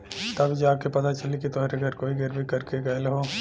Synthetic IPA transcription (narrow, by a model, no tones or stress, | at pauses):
t̪ɐbd͡ʒaːkepɐt̪at͡ʃɐlikit̪oɦɾeɡʱɐɾkoːiɡeɾbʱikɐɾkeɡɐjlɐɦoː